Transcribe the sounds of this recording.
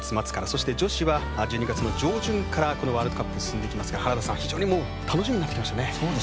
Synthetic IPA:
t͡sɨmat͡sɨ̥kaɾaso̞ɕi̥t̪e̞d͡ʑo̞ɕiβa | d͡ʑɨ̟ːɲ̟iɡat͡sɨno̞d͡ʑo̞ːʑɨ̃ŋkaɾako̞no̞βaːɾɯd̪o̞kapːɯsɨ̥sɨ̃nd̪eːkʲimasɨ̥ɡahaɾad̪asãaçʲiʑo̞ːɲ̟imo̞ː | t̪anoɕimiɲnat̪ːekʲimaɕit̪ane̞soːd̪

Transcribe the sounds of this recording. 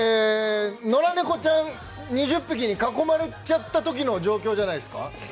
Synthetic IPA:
eno̞ɾaneko̞t͡ɕãn | ɲiʑɨpːɯk̬ʲiɲ̟ikako̞maɾe̞t͡ɕat̪ːat̪o̞k̬ʲino̞d͡ʑo̞ːkʲo̞ːd͡ʑanaisɨ̥ka̰

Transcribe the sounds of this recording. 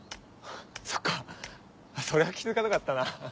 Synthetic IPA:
so̥kːa | aso̞ɾe̞akʲizɨkat̪okat̪ːana

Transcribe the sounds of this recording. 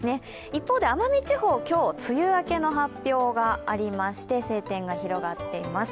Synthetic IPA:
ɨne̞ | ipːo̞ːd̪e̞amamʲit͡ɕiho̞ːkʲo̞ːt͡sɨjɯ̟ːake̞no̞ɦapʲːjo̞ːɡaːɾʲimaɕi̥t̪e̞se̞ːt̪ẽ̞ŋɡaçiɾo̞ɡat̪ːe̞imasɨ̥

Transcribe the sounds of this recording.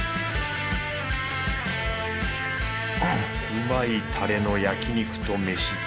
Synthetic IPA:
ɯmait̪ʰaɾe̞no̞jakʲiɲ̟ikɯ̟̥t̪o̞me̞ɕi

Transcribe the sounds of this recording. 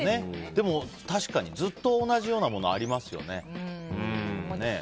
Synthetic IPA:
ne̞d̪̥e̞mo̞t̪aɕi̥kaɲ̟izɨt̪ːo̞ːnaʑijo̞ːnamo̞no̞a̰ɾʲimasɨjo̞̰ne̞ɯ̃ne̞

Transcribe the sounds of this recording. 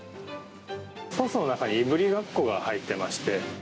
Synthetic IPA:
sosono̞nakaɲ̟iːbɯ̟ɾʲiɡakːo̞ɡahait̪ːe̞maɕi̥t̪e̞

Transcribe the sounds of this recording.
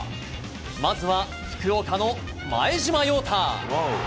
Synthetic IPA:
mazɨβa | ɸɯ̥kɯ̟okano | ma̰eʑimajoːt̪ʰa

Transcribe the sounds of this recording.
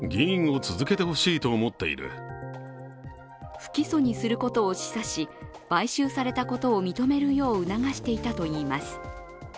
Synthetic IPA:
ɡʲiĩɰ̃o̞t͡sɨzɨke̞t̪e̞hoɕiːt̪o̞ːmo̞t̪ːe̞̰ḭɾɯ̟̰ | ɸɯ̟̥kʲiso̞ɲ̟isɨɾɯ̟ko̞t̪o̞ːɕi̥saɕi | b̥aiɕɨːsaɾe̞t̪ako̞t̪o̞ːmʲit̪o̞me̞ɾɯ̟jo̞ːɯ̟naɡaɕi̥t̪e̞it̪at̪o̞iːmasɨ̥

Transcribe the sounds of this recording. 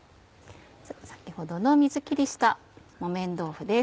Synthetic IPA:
sḁkʲiho̞d̪o̞no̞mʲizɨkʲiɾʲiɕi̥t̪a | mo̞mẽ̞nd̪o̞ːɸɯ̟d̪e̞

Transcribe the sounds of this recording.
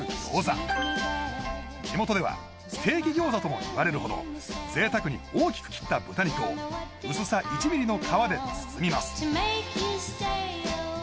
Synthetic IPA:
ɡʲo̰ːza̰ | d͡ʑ̥imo̞t̪o̞d̪e̞βa̰ | t̪ʰe̞ːkʲiɡʲo̞ːzat̪o̞mo̞̰ḭβaɾe̞ɾɯ̟ho̞d̪o̞̰z̥e̞ːt̪akɯ̟ɲ̟ḭoːkʲi̥kɯ̥kʲi̥t̪ːabɯ̟t̪aɲ̟it̪o̞ː | ɯ̟sɨsaʔit͡ɕibʲiɾʲino̞kʰaβad̪e̞t͡sɨ̥sɨmʲimasɨ̥mekist

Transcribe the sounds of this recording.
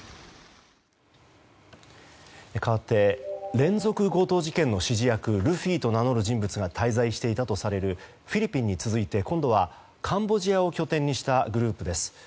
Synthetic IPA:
ekaβat̪ːe̞ɾẽ̞nzo̞kɯ̟ɡo̞ːt̪o̞ːʑikẽ̞nːo̞ɕiʑijakɯ̟ɾɯ̟ɸʲiːt̪o̞nano̞ɾɯ̟ʑĩmbɯ̟t͡sɨɡat̪ʰaizaiɕi̥t̪e̞it̪at̪o̞saɾe̞ɾɯ̟ | ɸʲiɾʲipʲĩɲ̟ːit͡sɨzɨit̪e̞kõ̞nd̪o̞β̞a | kʰãmbo̞ʑijao̞kʲo̞t̪ẽ̞ɲ̟ːiɕi̥t̪aɡɯ̟ɾɯ̟ːpɯ̟d̪e̞sɨ̥

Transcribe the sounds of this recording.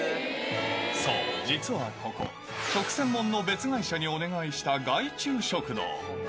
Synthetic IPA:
so̰ːd͡ʑit͡sɨβa̰ko̞ko̰ | t͡ɕo̞kɯ̟̥sẽ̞mːõ̞nːo̞be̞t͡sɨɡaiɕaɲ̟io̞ne̞ɡaiɕi̥t̪aɡait͡ɕɨːɕo̞kɯ̟d̪o̰ː

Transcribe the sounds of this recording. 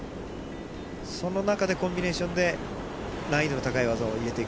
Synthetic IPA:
so̞no̞nakad̪e̞kõ̞mbʲine̞ːɕõ̞nd̪e̞ | naid̪enot̪akaiβazaːiɾe̞t̪e̞i

